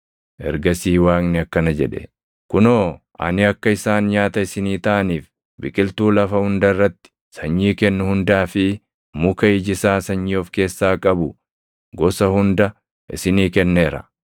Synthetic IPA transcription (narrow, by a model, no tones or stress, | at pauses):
ʔɛ̰ɾɡɐsiːwaːknɪɐkːɐnɐd͡ʒɛᶑɛ̰ | kʊnoːʔɐ̰nɪɐkːɐɪsaːnɲaːt̪ɐɪsɪniːt̪ɐʔɐniːf | bɪkʼɪlt̪uːlɐfɐhʊnd̪ɐrːɐt̪ːɪ̥ | sɐɲːiːkɛnːʊhʊnd̪aːfɪ | mʊkɐɪd͡ʒɪsaːsɐɲːioːfke̞ːsːaːkʼɐbʊ | ɡɔsɐhʊnd̪ɐ | ʔɪ̰sɪniːkɛnːe̞ːɾɐ̰